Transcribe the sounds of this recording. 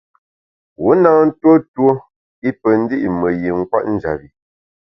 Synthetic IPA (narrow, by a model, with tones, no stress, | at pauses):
wo˨˦naː˦n̩˦two˦two˦ | i˦pə˨n̩˦di˦ʔmə˨je˨ŋ̩˦kwa̰˦ʔn̩˦d͡ʒa̰˨bi˨